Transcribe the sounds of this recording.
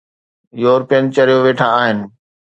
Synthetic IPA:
joːɾpijənɪ̆t͡ɕɐɾijoʋeːʈʰaaːɦɪnɪ̆

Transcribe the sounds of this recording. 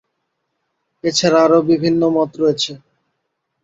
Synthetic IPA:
et͡ɕʰaɾaaɾobibʱinːomɔt̪ɾojet͡ɕʰe

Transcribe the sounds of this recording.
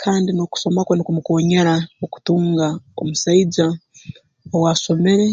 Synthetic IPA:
kʰaːndinoku̥so̞makwanikumukoːɲaɾaoku̥tuːŋɡao̰musaid͡ʒa | owaso̞me̞ɾe̞

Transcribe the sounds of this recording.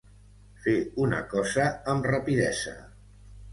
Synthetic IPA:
feunə̰kɔzəːmrəpiðɛzə̰

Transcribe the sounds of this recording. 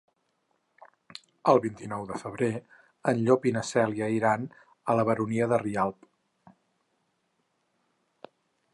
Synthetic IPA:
əlˠβint̪inɔwðəfəβ̞ɾe | ənʎopinəsɛljəiɾan | ələβ̞əɾuniəðərialˠp

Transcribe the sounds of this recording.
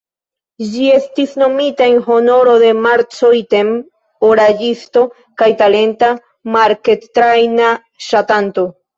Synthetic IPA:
d͡ʒie̞stisno̞mitaenɦo̞no̞ɾo̞d̪e̞maɾt͡sojte̞m | oɾad͡ʒisto̞ | kajtale̞nta | maɾke̞tːɾajna | ʃatanto̞

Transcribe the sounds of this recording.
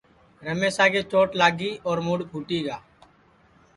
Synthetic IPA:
ɾəmeːsaːɡeːt͡ʃoːʈlaːɡiːʔɔːɾmuːɽkʰuːʈiːɡaː

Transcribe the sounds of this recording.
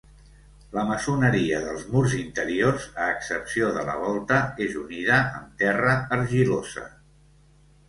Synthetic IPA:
ləməsunəɾiəðəlˠzmurzint̪əɾiorzəːksəpsioðələ̰β̞ɔlˠt̪əezuniðəːmt̪ɛrəəɾʒilozə̰

